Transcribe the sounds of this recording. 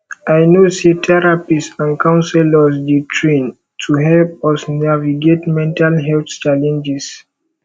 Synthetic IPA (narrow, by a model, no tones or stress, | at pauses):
ajnoset̪ʰɛɹapisãnkʰãʊ̃nsɛlɔs̬ditʰɹĩn | tʰuɦɛlpɔsnaviɡetmɛ̃ntalɦɛlθt͡ʃalɛ̃nd͡ʒis